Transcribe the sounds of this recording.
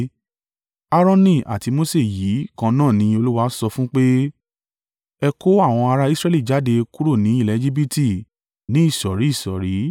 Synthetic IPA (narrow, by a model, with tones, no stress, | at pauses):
a˦ɾɔ̃˦nĩ˦˨ʔa̰˨ti˨˧mo˦se˦˨ji˨˦kã˧nãː˦˨nĩ˨˧o˧lu˦wa˦sɔ˧fũ˦k͡pe˦ | ɛ˧ko˦a˦˨w̃ɔ̃˧a˧ɾa˧i˦sɾɛ˦li˦˨d͡ʒa˨˦de˧ku˦ɾo˦˨nĩ˨˦i˦˨lɛ˨˧d͡ʒi˦bi˦ti˦˨ | nĩ˨˦i˦˨ʃɔ˨ɾi˨˦i˦˨sɔ˨ɾi˨˦